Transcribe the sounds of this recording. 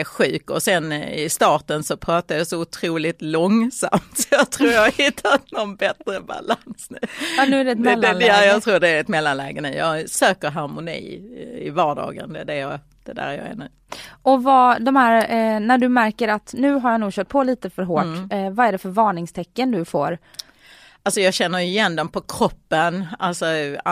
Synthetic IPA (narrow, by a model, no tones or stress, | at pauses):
ɛɧʉ̟ːkɔsɛnɪ̰st̪ɑːʈənsɔpʰɾɑːt̪ajɑsɔʊt̪ʰɾuːlɪt̪lɔŋsa̰mt̪sjɑt̪ʰɾuːɾjɑhɪt̪ʰːat̪̚nɔnbɛt̪ɾəba̰lansnʉ̟ːnʉ̟ːæɖɛt̪mlːɛɛjɑːɡt̪ʰɾuːɖɛæɾɛt̪mɛlːanlɛːɡənʉ̰ːjɑsøːkəɾɦaɾmʊnḭːɪ̰vɑːɖɑ̰ːɡə̰nd̪ɛd̪ɛjɑ | d̪̥ɛd̪æ̰ːɾjɑ̰ɛ̰nʉ̟ː | ʔɔvɑːd̪ɔmhæːɾnæɖɵmæɾkəɾat̪nʉ̟ːɦaɾjanuːɡɕœːʈ̚pʰoːliːt̪əfœɾɦoːʈvɑæɖɛfœɾvɑːɳɪŋst̪ʰɛkːənd̪ɵfo̰ːɾ | ʔalsɔjɑːɡɕɛnːəɾɪjɛnd̪ɛmpʰɔkʰɾɔpːənalsɔ